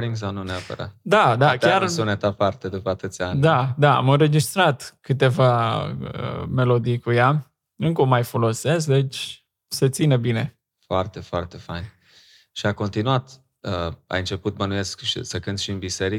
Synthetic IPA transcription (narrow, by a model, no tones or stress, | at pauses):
ɾiŋɡsanuneopə̰ɾa̰t̪d̪ad̪akʲjaaɾsunet̪apart̪ed̪upəat̪ɨt̪sʲanʲd̪ad̪aa̰mɨnɾe̞d͡ʒist̪ɾat̪kɨt̪e̞vaə̰me̞lod̪ijkuja | ɨŋkəomajfolo̞se̞s̬kd̪e̞t͡ʃʲ | se̞t̪sinəbine̞ | foart̪e̞foart̪efajn | ʃiako̞nt̪inuat̪ | əa̰jɨnt͡ʃe̞put̪̚bənuje̞skʃḭsəkɨnt̪ʃiɨnbiseɾi